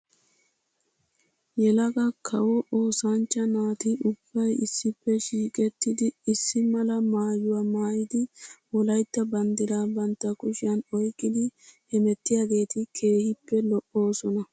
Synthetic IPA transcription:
jɛlɐɡɐkʰɐwɔʔoːsant͡ʃːɐnaːt̪ɪʊb̥ːɐjɪsːɪpːɛʃiːkʼɛt̪ːɪd̪ɪɪsːɪmɐlɐmaːjʊwaːmaːjɪd̪ɪwɔlɐjt̪ːɐbɐnd̪ɪɾaːbɐnt̪ːɐkʊʃɪjɐnɔjkʼːɪd̪ɪhɛmɛt̪ːɪjaːɡe̞ːt̪ɪkʰe̞ːhɪpːɛlɔʔo̞ːsɔnɐ

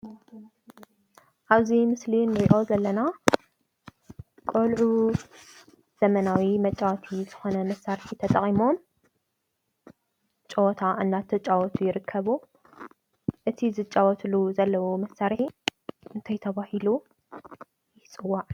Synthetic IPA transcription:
ʔaβzimɨslinːɨɾiʔo̞zɐlːɐna | kʼolʕu | z̥ɐmɐnawimɐt͡ʃʼawɔt̪ʰiz̥ɨxo̞nɐmɐsːaɾħit̪ʰɐt̪ʼɐkʼimo̞m | t͡ʃʼɐwt̪ʰaʔɨnːat̪ʰɐt͡ʃʼawɔt̪ʰujɪɾɨkʰːɐβu | ʔɨt̪ʰizɨt͡ʃʼːawɔt̪ʰluzɐlːɐwomɐsːaɾħiʔɨnt̪ʰajt̪ʰɐβahilu | jɪt͡sʼɨwːaʕ

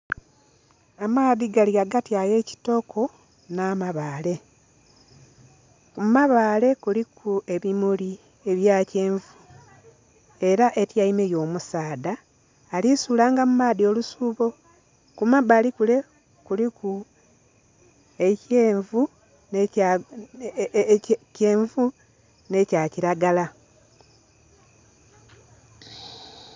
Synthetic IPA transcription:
amaːðiɡaliaɡatjaːje̞ːci̥to̞kʰo̞ | naːmaβaːle̞ | kumaβaːle̞kulikʰue̞βimuli | e̞βjaːce̞ːɱvu | e̞ɾaʔe̞tjaimejo̞ːmusaːdaː | lisuːlaːŋɡamumaːdio̞ːlusuːβo̞ | kumabalikule̞ | kuliku | e̞ceːɱvu | n | ceːɱvu | ne̞caciɾaɡala

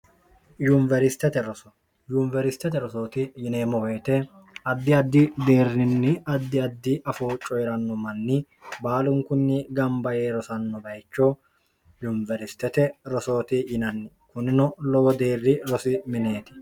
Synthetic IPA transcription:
jʊnvɛɾɪst̪ːɛt̪ɛɾɔsɔ | jʊnvɛɾɪst̪ːɛt̪ɛɾɔso̞ːt̪ɪjɪneːmɔweːt̪ɛ | ɐd̪ːɪɐd̪ːɪd̪e̞ːrːɪnːɪɐd̪ːɪɐd̪ːɪʔɐfoːt͡ʃʼɔjɾɐnːɔmɐnːɪ | baːlʊŋkʊnːɪɡɐmbɐjeːɾɔsɐnːɔbɐjt͡ʃːɔ | jʊnvɛɾɪst̪ːɛt̪ɛɾɔso̞ːt̪ɪjɪnɐnːɪ | kʊnɪnɔlɔwɔd̪e̞ːrːɪɾɔsɪmɪneːt̪ɪ̥

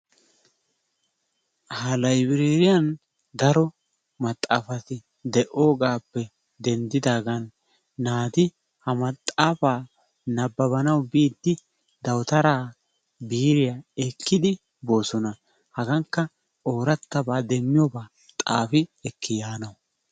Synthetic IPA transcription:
hɐlɐjbɪɾe̞ːɾɪjɐn | d̪ɐɾɔ | mɐt̪ʼːaːfɐt̪ɪ | d̪ɛʔo̞ːɡaːpːɛ | d̪ɛnd̪ɪd̪aːɡɐnː | aːt̪ɪ | hɐmɐt̪ʼːaːfaː | nɐbːɐβɐnɐwbiːd̪ːɪ | d̪ɐwt̪ɐɾaː | biːɾɪjaɛkʰːɪd̪ɪ | bo̞ːsɔnɐ | hɐɡɐŋkːɐ | o̞ːɾɐt̪ːɐbaːd̪ɛmːɪjɔbaː | t̪ʼa̰ːfɪɛkʰːɪjaːnɐw

